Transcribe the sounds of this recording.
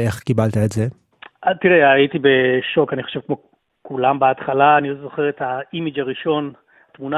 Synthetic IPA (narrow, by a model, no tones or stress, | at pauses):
eχkibalt̪aetze | atiʁeaitibeʃo̞kaniχo̞ʃevkmo̞ | kulambeatχalaːnilozo̞χeʁetaimid͡ʒaʁiʃo̞n | atmuna